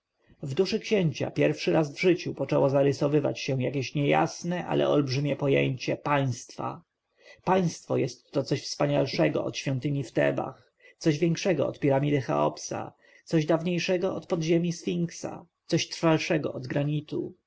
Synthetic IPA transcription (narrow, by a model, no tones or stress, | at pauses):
vd̪uʂɘkɕeɲt͡ɕa̰pʲjɛɾfʂɘɾazvʐɘt͡ɕupɔt͡ʂɛwɔzaɾɘsɔvɘva̰t͡ɕɕɛw̃jakʲeɕɲɛja̰snɛʔa̰lʔɛ̰ɔlbʐɘmʲjɛpɔjḛɲt͡ɕɛpaj̃st̪fa̰ | paj̃st̪fɔjɛst̪ːɔt̪sɔɕfspaɲalʂɛɡɔ̰ʔɔ̰t̪ɕfʲjɔnt̪ɘɲift̪ɛ̰ba̰x | t̪sɔʑvʲjɛŋkʂɛɡɔ̰ɔ̰t̪pʲiɾamʲid̪ɘxa̰ɔ̰psa̰ | t̪sɔʑd̪avɲejʂɛɡɔɔt̪pɔd̪ʑemʲisfʲiŋksa̰t̪sɔɕt̪ɾfalʂɛɡɔʔɔd̪ɡɾaɲit̪u